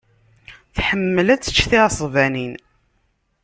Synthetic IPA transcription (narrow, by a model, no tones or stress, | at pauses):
θħəmːəlæt͡sːə̥t͡ʃːθisˤvænin